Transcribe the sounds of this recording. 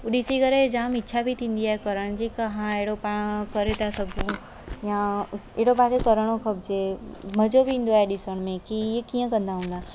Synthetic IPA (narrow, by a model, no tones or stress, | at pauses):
uɗisikəɾed͡ʒaːmɪtːʃʰabʱit̪ʰĩːnd̪iaːekəɾəɽ̃d͡ʑikɐɦãeɽopaɽ̃kəɾet̪asɐɡũ | jãeːɽopãːsekəɾəɽ̃õkʰəbd͡ʒem̤əd͡ʒobĩnd̪oɛɗɪsəɽ̃mẽkijekijə̃kə̃nd̪aɦũnd̪a